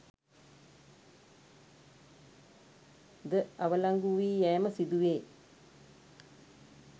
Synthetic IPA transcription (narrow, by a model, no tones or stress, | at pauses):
d̪əɐʋɐlaŋɡuʋiːjɛːməsid̪uʋeː